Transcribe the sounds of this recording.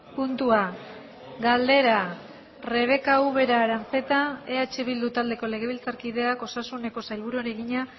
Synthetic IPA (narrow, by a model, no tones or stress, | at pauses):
punt̪ua | ɡald̪e̞ɾa | re̞β̞e̞kauβe̞ɾaɾant͡se̞t̪ae̞at͡ʃe̞βild̪ut̪ald̪e̞ko̞le̞ɣ̞e̞βilt͡saɾkið̞e̞ako̞sasune̞ko̞sajlβuɾuɾe̞ɣiɲa